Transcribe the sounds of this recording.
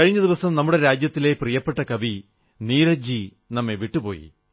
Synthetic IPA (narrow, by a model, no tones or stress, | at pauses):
kɐɻiɲːɐðiʋɐsɐmnɐmːuɽe̞ɾaːd͡ʑjɐt̪ːile̞prijɐpːe̞ʈːɐkɐʋi | niːɾɐd͡ʑi | nɐmːeʋiʈːupo̞̰ːjḭ